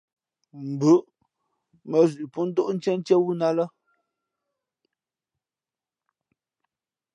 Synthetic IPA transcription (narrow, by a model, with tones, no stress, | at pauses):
m̩˨bʉ˨˦ʔ | mə˨zʉ˨pu˦n̩˦do˦ʔn̩˦t͡ʃɛ˦n˦t͡ʃɛ˦wu˦na˦lə˦